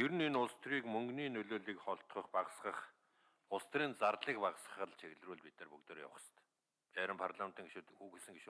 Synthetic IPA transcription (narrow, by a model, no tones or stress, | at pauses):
jɵɾɘ̆nenʊɮst̪riːkmɵŋɡniːnɵɮoːɮiːkχɔɬt̪χə̆χpaʁsχə̆χ | ʊɮst̪riːnt͡sarɮiːk̚paʁsχə̆χə̆ɮt͡ɕʰeɣɮruːɮpit̪nɘ̆rpɵkt̪ĕːrja̰wχsə̥t̪ | æːɾʲə̆mpʰarɮamnt̪ĭŋɡeʃuːt̪xuːxesɘ̆ŋɡeʃ